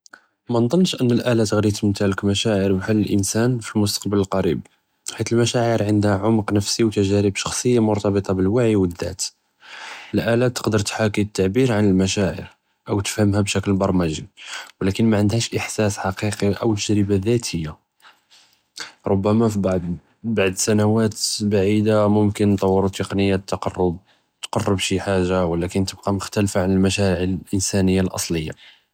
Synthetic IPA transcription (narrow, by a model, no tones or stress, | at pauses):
mænd̪ˤənːʃʔənːəlʔælæt̪ɣɾit̪mət̪æʕləkmæʃæʕəɾbħalːəlʔənsænfilmʊst̪ɑ̥qbələlqɑɾḭb̚ | ħit̪əlmæʃæʕəɾʕənd̪hæʕomqnəfsiwt̪æʒæɾəbʃɑ̥xsˤəjːamʊɾt̪ɑbət̪ˤɑbəlwaʕiwəd̪ːæ̰t̪ | əlʔælat̪ːə̥qd̪əɾˤt̪ħakit̪ːaʕbiɾʕanəlmæʃæʕə̰ɾ | ʔəwt̪ə̥fhəmhæbʃækəlbɑɾˤmæʒiwlækənmæʕənd̪hæʃʔəħsæsħɑqiqiʔəwt̪əʒɾəbaðæt̪həjːa | ɾˤobːæmafib | baʕd̪sænæwæt̪baʕid̪amʊmkənt̪ˤɑwːəɾˤut̪ːeqnəjːat̪ːɑqɑrˤːəb̪̚ | t̪qɑrˤːəbʃiħaʒːawlækənt̪əb̚qɑmʊxt̪ælfaʕanəlmæʃæʕʕəllʔənsænəjːalʔɑ̰sˤləjːa̰